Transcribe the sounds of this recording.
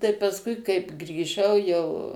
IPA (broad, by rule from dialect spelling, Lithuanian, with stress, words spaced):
tɐɪ pɐsˈkʊɪ kɐɪp ɡrʲiːˈʒɐʊ jɛʊ